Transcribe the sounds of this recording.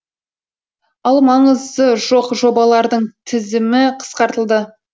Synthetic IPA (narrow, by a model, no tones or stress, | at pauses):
ɑlˠmɑɴəzd̪əʒo̞qʒo̞bɑlˠɑɾd̪əɴt̪ʰɪzɪmɪqʰə̥sqɑɾt̪əlˠd̪ə